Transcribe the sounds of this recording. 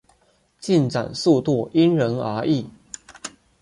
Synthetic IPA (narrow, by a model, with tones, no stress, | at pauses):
t͡ɕi˥˩nʈ͡ʂa̰˨˩nsu˥˧t̪u˥˩i˥nɻə˧˥nə̰˞˧˥ʔi˥˩